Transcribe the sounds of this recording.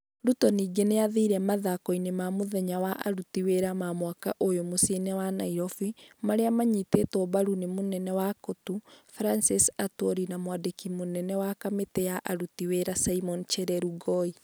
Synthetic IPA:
ɾutɔniːɡeneaðiɾɛmaðakɔinemamoðɛɲawaʔaɾutiweɾamamwakaʔojomosenɛwanaiɾɔfimaɾeamaɲitetɔbaɾunemonɛnɛwakotufɾansisatwɔɾinamwadekimonɛnɛwakametɛjaʔaɾutiweɾasaimɔnt͡ʃɛɾɛɾuɡɔi

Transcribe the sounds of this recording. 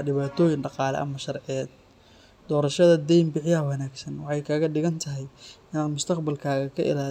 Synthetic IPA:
ɖɪβaːt̪ʰɔːjɪnɖɑqɑːlɛ̰ʔɐ̰mɐʃɐrʕɪjɛːd̪̚ | d̪ɔːɾɐʃɐðɐd̪ɛjmbɪʕɪjɐɦɐwɐnaːɡsɐnwɑħɑjkʰaːɣɐɖɪɣɐnt̪ʰɐɦɛjɪnaːd̪mʊst̪ʰɐqbɐlkʰaːɣɐkʰɐʔɪ̰laː

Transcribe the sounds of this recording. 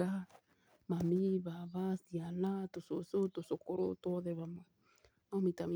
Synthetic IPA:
a | mamiβaβasialatososotosokoɾo̰toðɛβama | mamitami

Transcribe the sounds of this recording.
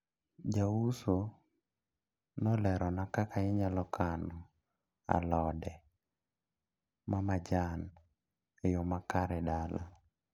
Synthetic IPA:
d͡ʒawuso | nɔlɛɾɔnakakaɪɲalɔkʰanɔ | a̰lɔdɛ | mamad͡ʒan | ejomakaɾɛdala̰

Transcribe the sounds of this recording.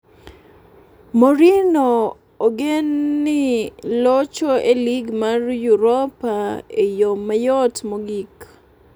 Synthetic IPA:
moɾino | oɡenːɪlɔt͡ʃoeliɡmarjuɾɔpaejomajɔtmoɡik

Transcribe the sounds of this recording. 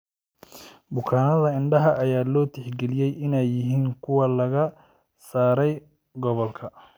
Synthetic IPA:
bʊkʰaːnɐðɐɪɳɖɐɦɐʔɐjaːlɔːt̪ʰɪħɡɛlɪjɛjʔɪnɛjːɪɦiːŋkʰʊwɐlɐɣɐ | saːɾɛj | ɡɔβɔlkʰɐ

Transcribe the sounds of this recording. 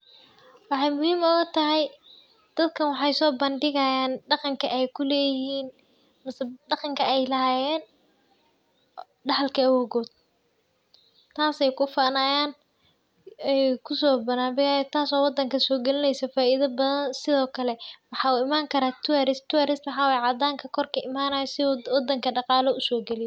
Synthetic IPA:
wɑħɑjmʊhiːmɔɣɐt̪ʰɐɦɛj | d̪̥ɐd̪kʰɐnwɑħɑjsɔːbɐndɪɣɐjaːnɖɑqɑŋkʰɐʔɛjkʰʊlɛːjɪhiːn | mɐsɖɑqɑŋkʰɐɛjlɐɦaːjɛːn | ɖɑħɑlkʰɐawɔːɣɔːd̪̥̚ | t̪ʰaːsɛjkʰʊfanaːjaːn | ɛjkʰʊsɔːbɐnaːbɪɣajɛt̪ʰaːsɔːwɑd̪ɐŋkʰɐsɔːɡɛlɪnɛjsɐfaːʔiːðɐbɐðɐnsɪðɔːkʰɐlɛwɑħɑːuːɪmaːŋkʰɐɾaːt̪ʰʊwɐɾɪst̪ʊɛɾɪst̪wɑħɑːwjʕɑd̪aːŋkʰɐkʰɔrkʰɐʔɪmaːnaːjɔsɪwɑd̪ɐŋkʰɐɖɑqɑːlɔʊsɔːɡɛlɪj

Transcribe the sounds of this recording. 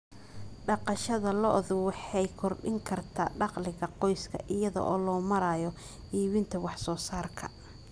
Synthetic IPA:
ɖɑqɑʃɐðɐlɔʔðʊwɑħɑjkʰɔrɖɪŋkʰɐrt̪ʰa̰ːɖɑqlɪɣɐqɔjskʰɐ̰ʔɪjɐðɔ̰ʔɔːlɔːmɐɾaːjɔ | ʔiːβɪnt̪ʰɐwɑħsɔːsaːrkʰɐ̰

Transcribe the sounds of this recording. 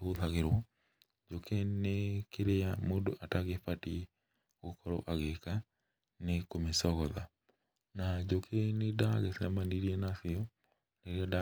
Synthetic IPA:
ɣoðaɣeɾwɔ | d͡ʒokʰenekeɾejamodo̰ʔataɣefati | ɣokʰɔɾɔ̰ʔaɣeka | nekomesɔɣɔða | nad͡ʒokʰenedaɣɛsɛmandiɾiɛnasiɔ | leɾeɔda

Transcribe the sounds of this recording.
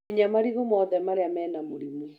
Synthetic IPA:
iɲamaɾiɣɔmɔðɛmaɾeamɛːnamoɾimwɛ

